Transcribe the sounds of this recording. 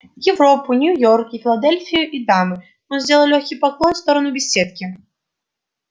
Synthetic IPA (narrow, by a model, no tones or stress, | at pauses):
jɪwɾɔpʊnʲujɔrkʲifʲɪlˠad̪ɛlʲfʲijuʔid̪amɨ | jɔnzʲdʲɛlˠɐlʲɔxʲkʲipaklˠɔnfst̪ɔɾɐnubʲɛsʲːet̪kʲi